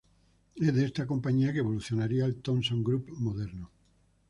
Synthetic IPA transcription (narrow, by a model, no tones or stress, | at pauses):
eðest̪ako̞mpaɲiakeβ̞oluθjonaɾialt̪õnsõŋɡɾupmoðeɾno